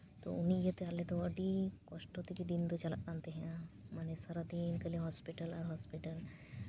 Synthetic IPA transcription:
t̪o̰ʊnɦĩjet̪eaːlet̪oɐɖikɔʃʈot̪ikid̪int̪ot͡ʃɐlak̪ãːnt̪eɦɛ̃ | maːnesaɾad̪iːnkɐliɦɔːspiʈəlɔɾɦɔːspiʈəl

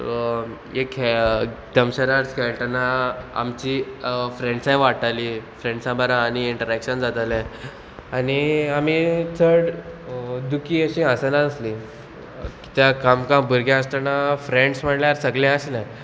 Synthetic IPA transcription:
ek | d̪əmɕəɾaɾt͡skʰɛɭt̪anaa̰mt͡ɕiːfɾeɳɖsãjʋaʈalifɾeɳɖsãbəɾãːñiiɳʈəɾækɕənd͡zat̪alɛ̃ | aniamit͡sʰəɽ | d̪ukiːəɕĩasanaəsli | ki̥t̪jakamkãmbəɾɡjãəst̪anafɾeɳɖsm̤əɽljaɾsəɡlẽəɕinaj

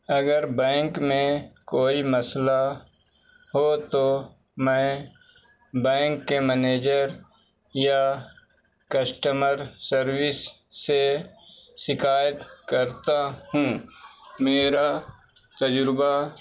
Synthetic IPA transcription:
ɐɡəɾbɛ̃ːŋkmẽkoːiməsla | ɦot̪o | mɛ̃ː | bɛ̃ːŋkːemɛneːd͡ʒəɾ | ja | kəsʈəməɾsəɾwɪsː | e | sɪkaːjət̪kəɾt̪ahũ | meːɾa | t̪əd͡ʒɾba

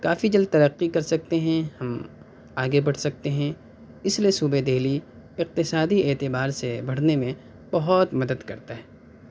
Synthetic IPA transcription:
kaːfid͡ʒɐld̪̚t̪ɐɾəqːikɐɾsɐk̚t̪eɦɛ̃hɐm | aːɡebɐɽ̤sɐk̚t̪eɦɛ̃ | ɪsliesuːbed̪ʱeːli | ɪq̚t̪ɪsaːd̪ieːt̪ɪbaːɾsebʱɐɽ̤nemẽ | b̥ɐɦɔt̪mɐd̪əd̪kɐɾt̪aɦɛː

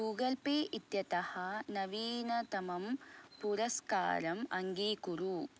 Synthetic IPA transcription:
uːɡɐlpeːʔit̪jɐt̪ɐhɐnɐʋiːnɐt̪ɐmɐmpuɾɐska̰ːɾɐmɐŋɡiːkuɾu

